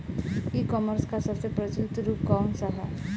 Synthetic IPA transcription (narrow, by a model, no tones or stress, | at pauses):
ikɔməɾskasasepɾəd͡ʒult̪ɾukɔmsaɦa̰